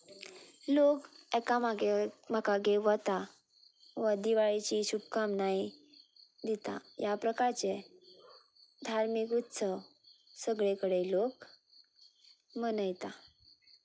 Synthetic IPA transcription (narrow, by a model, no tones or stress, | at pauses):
lokɛkamaɡem̤əkaɡeʋət̪a | ʋəd̪iʋaɭit͡ɕiɕubkamnai | d̪it̪a̰japɾəkaɾt͡se | d̪ʱaɾmikut̪ːsə | səɡɭẽkəɽelok | mənəjt̪a